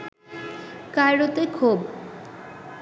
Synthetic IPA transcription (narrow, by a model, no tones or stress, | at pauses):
kajɽot̪ekʰub